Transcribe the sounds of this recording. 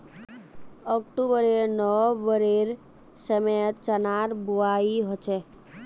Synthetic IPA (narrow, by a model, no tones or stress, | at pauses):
ɔkʈubəɾenɔʋəɾeɾ | səmejət̪̚t͡ʃənaɾbuaiɦɔt͡ʃʰe